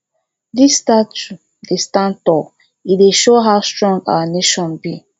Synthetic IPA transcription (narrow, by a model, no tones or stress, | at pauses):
ðistatu | distãntɔ | ideʃoɦawstɹɔ̃ŋɡa̰waneʃɔ̃nbi